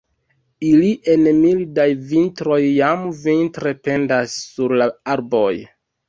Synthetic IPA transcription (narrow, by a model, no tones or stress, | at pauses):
iliʔe̞nmildajvintɾo̞jːamvintɾe̞pe̞ndasːuɾlaaɾbo̞j